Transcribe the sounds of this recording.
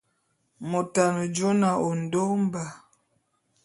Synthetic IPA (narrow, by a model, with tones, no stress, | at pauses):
mo˨ta˨nə˨d͡ʒo˦na˨o˨n̩˨do˦m˦ba˨